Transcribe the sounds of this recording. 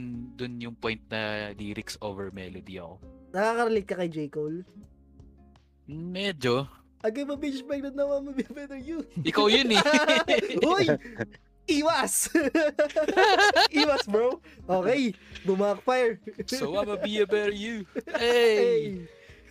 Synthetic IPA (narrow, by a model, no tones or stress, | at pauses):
nd̪ʊnjʊŋpojnt̪̚nɐ̰liɾɪkso̰vɛɹmɛ̰lod̪ḭɐ̰ko̰nɐkakɐɾɐlikːɐkɐjd͡ʒɛjkol | mɛd͡ʒo | ʔɐɡɐmɐbit͡ʃbɛɡ̚d̪ɐd̪nɐwɐmɐbiɐbɛt̪ɛɹjuʔɪkawjʊnɛ | oj | ʔiːwɐs | ʔiːwɐsbɹowʔoːkɛjbʊmaːk̚fajɛɹsowamɐbiɐbɛt̪juɛɛj